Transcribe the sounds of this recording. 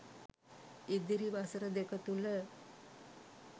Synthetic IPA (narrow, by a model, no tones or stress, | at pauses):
id̪iɾiʋasəɾəd̪ekət̪ulə